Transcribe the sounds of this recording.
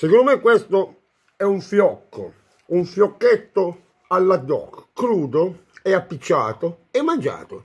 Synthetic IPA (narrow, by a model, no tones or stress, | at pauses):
sekond̪omɛkːwest̪o | ɛuɱfjɔkːo̰ | uɱfjɔkːet̪ːo | alːad̪ːɔ̰ːkkɾuːd̪oɛapːit͡ʃːa̰ːt̪o | ɛmːand͡ʒa̰ːt̪o̰